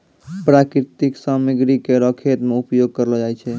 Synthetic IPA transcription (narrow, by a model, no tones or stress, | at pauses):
pɾakɾit̪iksamiɡɾikeɾəkʰet̪meupjoɡ̚kəɾəlɔd͡ʒajt͡ʃʰɛ